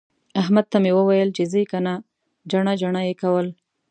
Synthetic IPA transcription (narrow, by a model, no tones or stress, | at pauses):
aɦmad̪̚t̪amewəwajəlt͡ʃezəkana | d͡ʒaɳad͡ʒaɳajekawəl